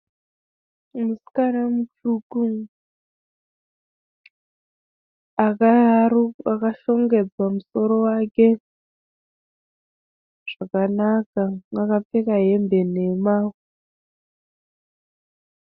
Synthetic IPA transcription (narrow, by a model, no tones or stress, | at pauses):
muskanamut͡ʃuku | akauakaʃo̞ŋɡe̞d͡zwamuso̞ɾo̞wake̞ | ʐ̥akanakaŋakap͡fekaɦe̞mbe̞ne̞maːu